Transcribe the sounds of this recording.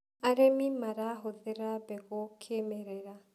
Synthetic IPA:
aɾemimaɾaɦoðɛɾabɛɣɔkʰemɛɾɛɾa

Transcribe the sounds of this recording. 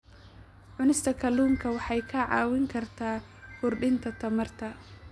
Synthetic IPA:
ʕʊnɪst̪ʰɐkʰɐluːmkʰɐwɑħɑjkʰɐʕɑ̰ːwɪŋkʰɐrt̪ʰaː | hʊrɖɪnt̪ʰɐt̪ʰɐmɐrt̪ʰɐ

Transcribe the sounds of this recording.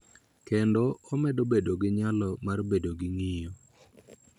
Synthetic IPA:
kendɔːmɛdobedoɡɪɲalɔmarbedoɡɪŋijo

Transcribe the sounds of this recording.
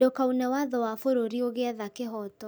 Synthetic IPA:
okaunɛwaðɔwafoɾoɾioɣeaðakeɦɔtɔ

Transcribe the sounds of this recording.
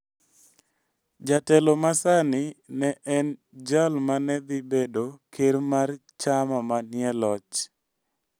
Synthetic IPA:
d͡ʒatɛlomasanɪnɛʔɛn | d͡ʒalmanɛd̪ibedokeɾmart͡ʃamamanjɛlɔt͡ʃ

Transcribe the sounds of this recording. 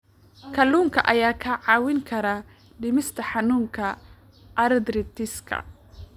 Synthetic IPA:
kʰɐluːŋkʰɐʔɐjaːkʰɐʕɑːwɪŋkʰɐɾa | ɖɪmɪst̪ʰɐħɑnuːŋkʰɐ | ʔɐɾd̪ɾɪt̪ʰɪskʰɐ̰

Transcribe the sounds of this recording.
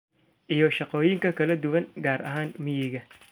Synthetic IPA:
ʔijɔʃɑqɔːjɪŋkʰɐkʰɐlɐd̪ʊwɐŋɡaːɾɐ̰ɦaːnmɪjɪɣɐ

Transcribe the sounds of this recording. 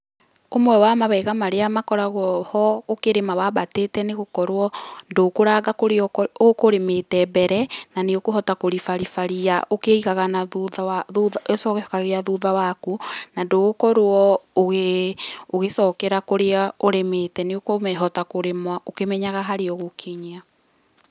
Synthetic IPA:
omwɛwamaβɛɣamaɾeamakɔɾaɣɔhɔokeɾemawaβatetɛneɣokɔɾwɔndoːkoɾaːɣakoɾokoɾemetɛbɛɾɛnaneokoɦɔtakoɾifaɾifaɾiaʔokeiɣaɣanauawaðuðasɔkkaɣeaðuðawakunandoɣokɔɾoɔoɣe | oɣesɔːkɛɾakoɾeaoɾemetɛneokomɛɦɔtakoɾemwaokemɛɲaɣaɦaɾeɔɣokʰeɲia

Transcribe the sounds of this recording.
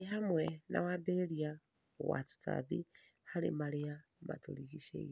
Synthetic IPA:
ɦamwɛna̰wabeɾeɾia | watu̥tʰa̰βihaɾḛmaɾea | ma̰to̰ɾiɣiʃḛj

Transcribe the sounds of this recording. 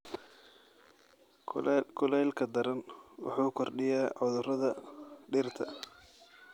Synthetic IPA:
kʰʊlɛːlkʰɐd̪ɐɾɐnwʊ̰ħuːkʰɔrɖɪjaːʕʊðʊrɐðɐɖɪrt̪ʰɐ̰

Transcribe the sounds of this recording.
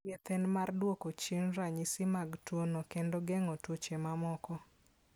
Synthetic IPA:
et̪ɛnmardwokot͡ʃenɾaɲɪsɪmaɡtwonokendoɡɛŋɔtot͡ʃemamɔkɔ

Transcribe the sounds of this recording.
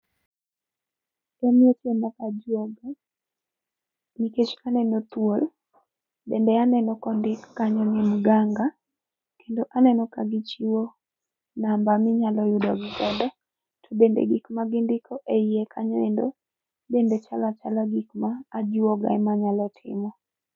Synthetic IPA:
ɛmjetjemakad͡ʒɔɡ | niket͡ʃkanɛnɔt̪wol | bɛ̰ndɛanɛnɔkɔndɪkːaɲɔnimɡaŋɡa | kendoʔanɛnɔkaɡit͡ʃiwo | nambamɪɲalɔjʊdɔɡikɛndɔ | tʰɔbendḛɡikmaɡindɪkʰɔʔeiekʰaɲɔendo | bendɛt͡ʃalat͡ʃalaɡikmaːd͡ʒwɔɡa̰ɛmaɲalɔtʰɪ̰mɔ

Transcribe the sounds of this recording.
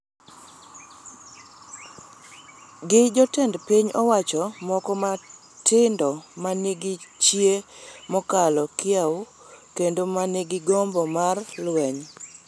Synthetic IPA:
ɡɪd͡ʒɔtɛndpiɲɔwat͡ʃɔmɔkɔma | tʰɪndɔmaneɡɪt͡ʃjemɔkalɔkɪao | kendomaneɡɪɡɔmbɔmarlwɛɲ

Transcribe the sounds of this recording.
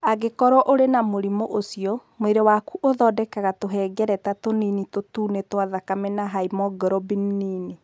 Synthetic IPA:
aɡekɔɾɔʔoɾenamoɾimoʔosiɔmoeɾewakuʔoðɔdɛkaɣatoɦɛːɡɛɾɛtatoninitotuːnetwaðakamɛnaɦaimɔɡɾɔbinnini

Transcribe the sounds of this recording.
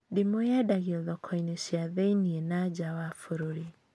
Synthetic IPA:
dimojadaɣiɔðɔkʰɔinesjaðeinienad͡ʒawafoɾoɾi

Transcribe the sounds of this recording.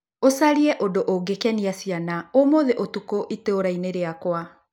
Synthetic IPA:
osaɾiɛʔodoʔoɡekɛniasianaomoðeʔotukoʔiteoɾaineɾeakwa

